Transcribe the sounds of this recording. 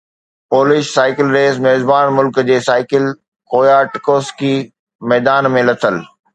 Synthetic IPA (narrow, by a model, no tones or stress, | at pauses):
poːlɪʃsaːɪkɪlɾeːsmɛːzbaːnmʊlkd͡ʑeːsaːɪkɪl | koːjaʈkoːski | mɛːd̪aːnmẽlɐt̪ʰəl